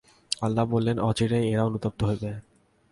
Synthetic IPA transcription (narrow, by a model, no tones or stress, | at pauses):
alːabolːenɔt͡ɕiɾejeɾaonut̪op̚t̪oɦojbe